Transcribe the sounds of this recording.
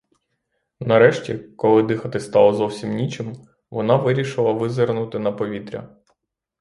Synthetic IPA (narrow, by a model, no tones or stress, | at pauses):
nɐɾɛʃtʲḭkɔlˠɪd̪ɪxɐt̪ɪst̪ɑlˠɔzɔwsʲimnʲit͡ʃɪm | ʋɔnɑʋɪɾʲiʃɪlˠɐʋɪzɪrnʊt̪ɪnɐpɔʋʲit̪ɾʲɐ̰